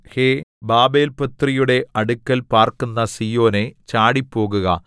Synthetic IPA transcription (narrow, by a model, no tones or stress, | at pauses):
heːbaːbeːlpɐt̪rijuɽe̞ʔɐɽukːɐlpaːrkunːɐsiːjo̞ːne̞t͡ɕaːɽipːo̞ːɣuɣɐ̰